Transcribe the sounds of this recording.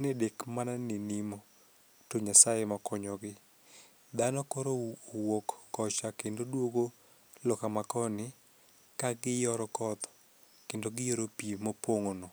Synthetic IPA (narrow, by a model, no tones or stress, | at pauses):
nedekmananɪnimo | toɲasajemakɔɲɔɡɪ | d̪anɔkɔɾowokːɔt͡ʃakendodwoɡo | lɔkamakɔnɪ | kaɡɪjɔɾɔkɔt̪ɔ̥ | kendoɡɪjoɾopimopoŋonɔ